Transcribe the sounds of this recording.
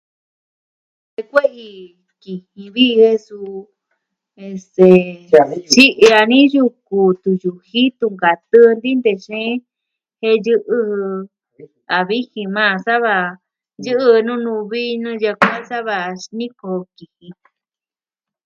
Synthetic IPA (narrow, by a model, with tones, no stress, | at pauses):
e˧kʷe˦ʔi˧ | ki˧˨hĩ˧βi˦˧he˦su˧ | e˧st̪e˨ | t͡ʃi˦ʔa˧nĩ˦ju˧ku˨t̪u˧ju˨hi˦t̪u˧ŋɡa˨t̪ɨ˦nd̪i˦nd̪e˧˨ʃẽ˦ | he˧jɨ˦ʔɨ˧ | a˨βi˦hĩ˧mã˦˧sa˦βa˧ | jɨ˦ʔɨ˧nũ˦nũ˧βi˦nɨ̃˦ja˧kʷa˦sa˦βa˧˨nĩ˦ko˧ki˨hĩ˧